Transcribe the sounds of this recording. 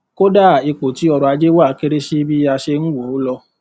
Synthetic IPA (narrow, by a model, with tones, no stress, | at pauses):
ko˦da˦˨e˧k͡po˨ti˨˦ɔ˧ɾɔ˨˧a˧d͡ʒe˦wo˦a˦˨ke˦ɾe˦ʃi˦bi˦a˧ʃe˧n̩˦wo˨˦lɔ˧